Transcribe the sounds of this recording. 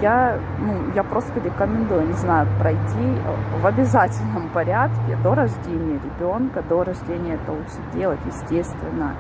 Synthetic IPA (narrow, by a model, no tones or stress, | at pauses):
ja | nujapɾo̞st̪əɾʲɪkəmʲɪnd̪ujʊnʲɪznajʊpɾɐjtʲivɐbʲɪzatʲɪlʲnəmpɐɾʲat̪kʲɪ̰d̪o̞ɾɐʐdʲenʲɪjəɾʲɪbʲo̞nkəd̪o̞ɾɐʐdʲenʲɪjəɛt̪əlˠuɨdʲe̞lˠətʲjɪsʲtʲest̪vʲɪnːə̰